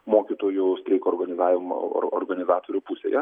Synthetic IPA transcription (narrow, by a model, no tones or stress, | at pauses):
moːkʲit̪oːjʊsʲt̪ʲɾʲɛɪkoɔːɾɡɐnʲɪzɑːʋʲɪmo̰o̰ːɾɡɐnʲɪzɑːt̪oːɾʲʊpusʲḛjɛ